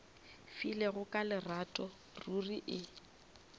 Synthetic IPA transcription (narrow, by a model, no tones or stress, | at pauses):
fileɣʊkʼalɪratʼɔ | ruriʔɪ